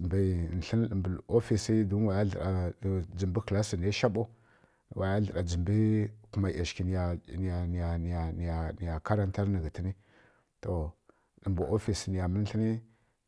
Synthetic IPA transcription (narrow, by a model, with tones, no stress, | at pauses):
mbi˨n̩˨ɬi˦n˦ɗə˨mbu˨lo˦fi˨si˦du˦nwa˨ja˦ɮə̰˨ɾa˨d͡zi˨mbi˦kla˦si˨n˨a˦ʃa˦ɓo˦˨ | wa˨ja˦ɮə˨ɾa˨d͡zə˨mbi˦ku˨ma˨a˨ʃki˨ni˨ja˨n˨a˨n˨ja˨n˨ja˨a˨ni˨ja˨ka˦ɾa˦nta˦ɾnə˨ɡi˨ti˦ni˦ | to˨ | ɗə˨mbu˨ʔo˦fi˨sni˨ja˨mə˦n˦ɬi˦ni˦